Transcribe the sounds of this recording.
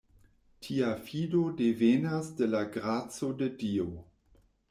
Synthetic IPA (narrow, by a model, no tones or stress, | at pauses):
tʰiafidodevenasdelaɡɾat͡sodedio